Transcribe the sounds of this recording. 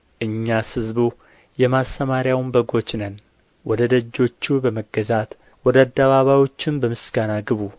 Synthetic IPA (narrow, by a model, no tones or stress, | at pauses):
ʔɨɲːasɨzbu | jɛmast̪əmaɾjawnbəɡo̞t͡ʃːnən | wɔd̪əd̪əd͡ʒːo̞t͡ʃːubəməɡːəzat̪ | wɔd̪əad̪ːəβaβajwo̞t͡ʃːɪnbəmɨsɡ̥anaɡɨβu